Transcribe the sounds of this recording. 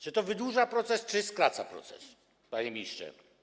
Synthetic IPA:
t͡ʂɨt̪ɔvɘd̪wuʐapɾɔt̪sɛst͡ʂɨskɾat̪sapɾɔ̰t̪sɛ̰s | paɲɛmʲist͡ʂɛ̰

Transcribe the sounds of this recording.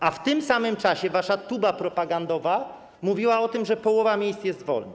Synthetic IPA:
ʔaft̪ɘmsamɘmt͡ʂaɕɛvaʂat̪ubapɾɔpaɡand̪ɔva | muvʲiwaɔt̪ɘmʐɛpɔwɔvamʲjejssjɛst̪vɔ̰lna

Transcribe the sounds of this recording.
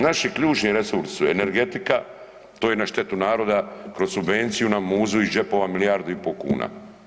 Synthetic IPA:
naʃikʎuːt͡ʃniɾe̞suɾsi̥suene̞ɾɡe̞t̪ika | t̪oːjenaʃt̪e̞t̪unaːɾo̞ːd̪akɾo̞sːubʋe̞nt̪sijunamuːzuid͡ʒe̞po̞ʋamiliaːɾd̪uipokṵːna̰

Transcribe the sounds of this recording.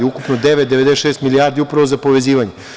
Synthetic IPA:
eukupnod̪eʋet̪̚d̪eʋe̞d̪esʃeːst̪miliaɾd̪iupɾaʋozapo̞ʋe̞ziːʋaɲe

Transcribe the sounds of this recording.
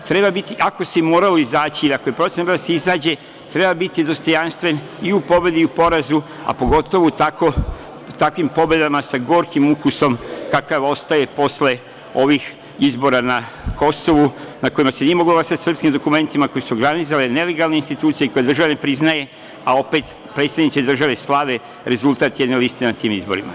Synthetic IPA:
t̪ɾebabit̪iʔako̞semoːɾalo̞izaːt͡ɕiiliako̞jepɾo̞t̪enoɾd̪aseizaːd͡ʑe̞ | t̪ɾe̞babit̪id̪o̞st̪o̞janst̪ʋe̞n | iupo̞be̞d̪iupo̞ɾazu | a̰po̞ɡo̞t̪o̞ʋut̪ako | t̪akʋimpo̞be̞d̪amasaɡo̞ːɾkimukuso̞mkakaʋo̞st̪aje̞po̞sle̞ | o̞ʋix | izbo̞ɾana | ko̞so̞ʋunako̞imasenije̞mo̞ɡloɡlasat̪ʲsr̩pskimd̪o̞kume̞nt̪imako̞jesuoɡɾanit̪s̬alene̞le̞ɡalne̞inst̪it̪uːt̪sijeko̞jed̪r̩ʒaʋanepɾiznaje̞ | ao̞peːt̪ | pɾeːt̪st̪aʋnit̪sed̪r̩ʒaʋe̞slˠaʋe | ɾe̞zulˠt̪aːt̪jed̪ne̞list̪enat̪iːmizbo̞̰ɾima̰

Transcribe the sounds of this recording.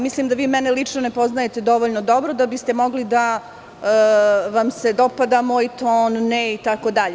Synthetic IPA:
mislimd̪aʋiːmɛnelit͡ʂnone̞po̞znaje̞t̪ed̪o̞ʋoʎnod̪o̞bɾod̪abist̪e̞mo̞ɡlid̪a | ʋamse̞d̪o̞pad̪amoit̪oːnːeit̪akod̪aʎe

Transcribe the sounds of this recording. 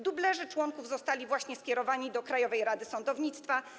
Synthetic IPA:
d̪ublɛʐɘt͡ʂwɔŋkuvzɔst̪alʲivwaɕɲɛskʲɛɾɔvaɲid̪ɔkɾajɔvɛjɾad̪ɘsɔnd̪ɔvɲit̪st̪fa

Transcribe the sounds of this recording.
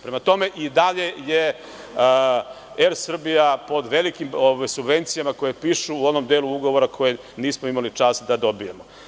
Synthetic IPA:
pɾe̞mat̪o̞me̞ʔid̪aʎe̞je | eɾsr̩bijapo̞d̪ʋe̞likimoʋajsubʋe̞nt̪sijamako̞jepiːʃuːo̞no̞md̪eːluuɡo̞ʋo̞ɾakʰo̞je | niːsmoimalit͡ʂaːst̪d̪ad̪o̞bijemo

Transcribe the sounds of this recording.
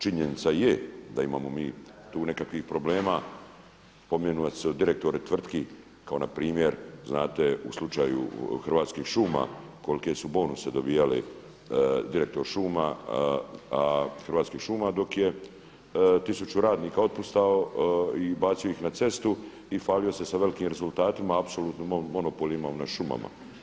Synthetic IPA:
t͡ʃiɲenit̪sajed̪aimaːmo̞miːt̪uːne̞kakʋixpɾo̞ble̞ːma | po̞mjenuaseod̪iɾek̚t̪o̞ɾet̪ʋr̩t̪ki | kao̞napɾiːmjeɾznaːt̪eṵslˠut͡ʃaːjṵxr̩ʋaːt̪skiːxʃuːma̰ | ko̞lkesubo̞ːnused̪o̞biːjalḭ | d̪iɾe̞k̚t̪o̞ɾʃuːma | axrʋaːt̪skiːxʃuːmad̪o̞kje | t̪isut͡ʃuɾaːd̪niːkao̞t̪̚pust̪aoibaːt̪sijo̞ixnat̪se̞st̪u | ifaːlio̞se̞saʋe̞likiːmɾe̞zulˠt̪aːt̪imaːpsoluːt̪nomomo̞nopolˠimaunaʃuma̰ma̰

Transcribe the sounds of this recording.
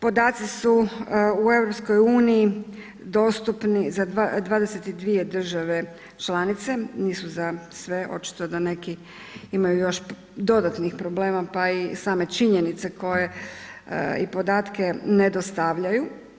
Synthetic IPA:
po̞d̪aːt̪sisuue̞vɾo̞psko̞juːnii | d̪o̞ːst̪upnizaad̪ʋaːd̪e̞set̪id̪ʋie̞d̪r̩ʒaʋe̞ | t͡ʃlaːnit̪se̞niːsuzasʋe̞ʔo̞̰t͡ʃi̥t̪o̞d̪ane̞ki | imajujo̞ʃ | d̪o̞d̪at̪nixpɾo̞ble̞ːmapaisaːme̞t͡ʃiɲe̞nit̪se̞kʰo̞je̞̰ | ḭpo̞d̪aːt̪ke̞ned̪o̞st̪aʋʎaju

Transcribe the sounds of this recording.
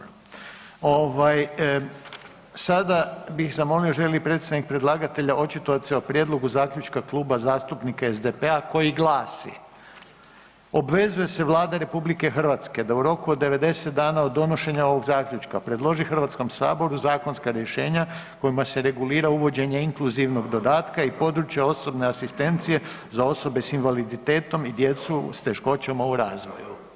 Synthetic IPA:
oʋaj | sad̪abixzamo̞lioʒe̞lipɾe̞t̪st̪anik̚pɾed̪lˠaːɡat̪e̞ʎaʔo̞t͡ʃit̪oat̪seopɾje̞d̪lˠo̞ɡuzaːklʎut͡ʃkaklˠuːbazaːst̪upnikaezd̪epeako̞jiɡlˠaːsḭ | o̞bʋe̞zuje̞se̞ʋlˠaːd̪aɾe̞publike̞xr̩ʋat̪ske̞d̪auɾo̞kuod̪ːe̞ʋe̞d̪e̞set̪̚d̪aːnao̞d̪ːo̞no̞ʃe̞ɲao̞ʋo̞ɡzaːkʎut͡ʃkapɾe̞d̪lˠo̞ʒixr̩ʋat̪sko̞msa̰ːbo̞ɾuzaːko̞nskaɾjeʃe̞ːɲa | ko̞jimase̞ɾe̞ɡuliːɾauʋo̞d͡ʑe̞ɲeiŋkluziʋno̞ɡd̪o̞d̪aːt̪kaipo̞d̪ɾut͡ʃjeo̞so̞bne̞asist̪e̞nt̪sije̞ | zao̞so̞be̞sinʋalid̪it̪e̞ːt̪o̞mid̪je̞t̪sust̪e̞ʃko̞t͡ɕamauɾaːzʋo̞̰ju

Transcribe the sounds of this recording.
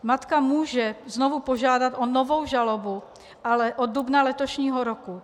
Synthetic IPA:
mat̪kamuːʒɛzno̞vupo̞ʒaːdat̪ʔono̞vo̞wʒalobu | ʔalɛʔod̚dubnalɛt̪o̞ʃɲiːɦoɾoku

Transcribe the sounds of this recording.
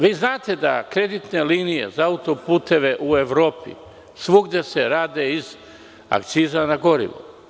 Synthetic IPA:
ʋiːznaːt̪e̞d̪a̰kɾe̞d̪it̪ne̞liːnije̞̰zaaut̪o̞puːt̪e̞ʋe̞ʔueʋɾo̞ːpḭ | sʋuɡd̪ese̞ɾaːd̪e̞iz | a̰kt̪siːzanaɡo̞ɾḭʋo̰

